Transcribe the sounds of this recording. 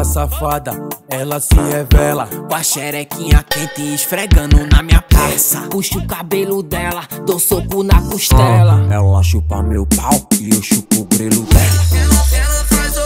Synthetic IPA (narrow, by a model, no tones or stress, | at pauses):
safad̪ɐɛlɐsɪhɛvɛlɐkwaʃɛɾɛkĩɲɐkẽt̪ɪːʃfɾeɡɐ̃nd̪ʊnɐmĩɲɐpɾasɐpuʃʊkabelʊd̪ɛlɐd̪osokʊnɐkuʃt̪ɛlɐɛwaʃupamewpawɪoʃupʊɡɾelʊd̪ɛlɐ